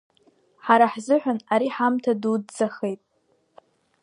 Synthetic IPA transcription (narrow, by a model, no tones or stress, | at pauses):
ħaɾaħzɨħʷᶣanaɾiħamtʰadudt͡saχe̞jtʼ